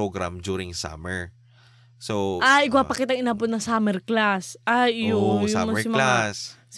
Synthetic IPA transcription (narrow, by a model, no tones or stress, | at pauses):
oɡɾa̰md͡ʒuɾɪ̃ŋsa̰mɛɹ | soʔaʔɪɡwapɐkɪt̪aɐŋɪnaːbot̪nɐsamɛɹklasʔajjʊjʊamɪmɐlaas